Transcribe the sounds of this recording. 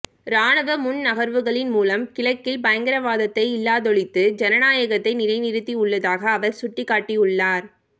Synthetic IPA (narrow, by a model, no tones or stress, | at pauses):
ɾaːnɐʋɐmʊnnɐɣɐɾʋɯɣɐɭɪnmuːlɐmkɪɭɐkːɪlbɐjɐŋɡɪɾɐʋaːðɐt̪ːɐɪɪlːaːðɔɭɪt̪ːɯd͡ʒɛnɐnaːjɐɣɐt̪ːɐɪnɪɾɐɪnɪɾɯt̪ːiʊɭːɐðaːɣɐːʋɐɾsʊʈːɪkːaːʈːiʊɭːaːɾ